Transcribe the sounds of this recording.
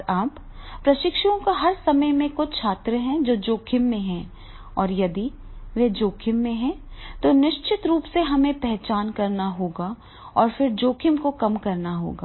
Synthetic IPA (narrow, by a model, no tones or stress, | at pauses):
aːp | pːɾɐʃɪkʃõkaɦɐɾsɐməjmẽkʊt͡ʃt͡ʃʰaːt̪ɾəɦɛ̃d͡ʒoːd͡ʒoːkʰɪmːẽɦɛ̃ | ɔːɾjɐd̪iʋed͡ʒoːkʰɪmːẽɦɛ̃t̪onɪʃt͡ʃɪt̪ɾuːpseɦɐmẽpɛɦt͡ʃaːnkɐɾnaɦoːɡa | ɔːɾfɪɾd͡ʒoːkʰɪmkokɐmkɐɾnaɦo̰ːɡaː